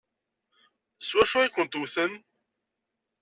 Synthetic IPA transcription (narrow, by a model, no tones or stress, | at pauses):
swæʃʊikʷːənt̪uθən